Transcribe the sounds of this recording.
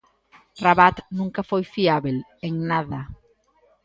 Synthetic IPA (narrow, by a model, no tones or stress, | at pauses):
raβat̪nũŋkafojfiaβeleŋnaða